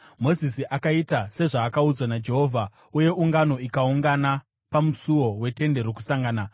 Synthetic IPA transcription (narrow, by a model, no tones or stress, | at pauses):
mo̞zisiʔakaitase̞ʐaːkaud͡zwanad͡ʒe̞ɦo̞ːvʱa | uje̞uŋɡano̞ikauŋɡana | pamusuwo̞we̞te̞nde̞ɾok̬u̥saŋɡaːna